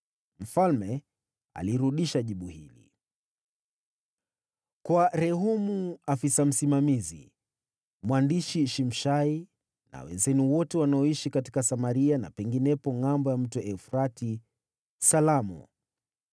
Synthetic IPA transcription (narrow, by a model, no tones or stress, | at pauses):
m̩falmɛ | a̰liɾuɗiʃaʄiɓuhilḭ | kwaɾɛɦumuafisam̩simamizḭ | mwandiʃiʃim̩ʃai | na̰wɛ̰nzɛniwɔtɛwanaɔiʃikati̥kasamaɾiana̰pɛŋɡinɛpɔŋambɔjam̩tuʔɛfɾati | salamɔ̰